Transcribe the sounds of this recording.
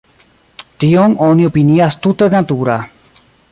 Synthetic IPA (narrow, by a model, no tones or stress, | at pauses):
t̪ioŋoniopiniast̪ut̪eðenat̪uɾa